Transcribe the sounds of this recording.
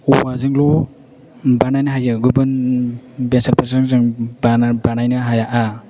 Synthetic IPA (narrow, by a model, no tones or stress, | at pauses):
uwazɯŋlu | banajnaɦajɯɡubɯn | bensaɾpasɯŋzɯŋbbanajnaɦajaʔa